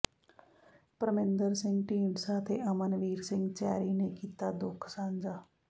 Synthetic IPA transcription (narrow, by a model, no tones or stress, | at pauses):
pɾəmẽnd̪əɾsɪ̃ŋɡʈiːɳɖsaːt̪ʰeːʔəmənʋiːɾsɪ̃ŋɡt͡ʃɛ̰ːɾiːneːkiːt̪aːd̪ʊkʰsãːnd͡ʒaː